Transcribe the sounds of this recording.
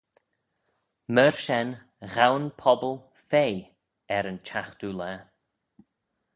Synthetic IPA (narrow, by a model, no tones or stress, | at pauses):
məɹʃɛn | ɣawnpʰɔbəlˠ | feː | ɛɾənt͡ʃʰaxt̪ulɛ